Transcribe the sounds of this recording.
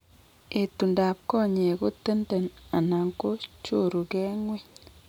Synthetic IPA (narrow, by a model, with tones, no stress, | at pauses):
e˨tu˨nda˨p̚kɔ˦˨ɲe˨ɡo˦te˦nde˨na˨na˨ŋko˦t͡ʃo˦˨ɾu˨ɡɛ˦ŋwe˦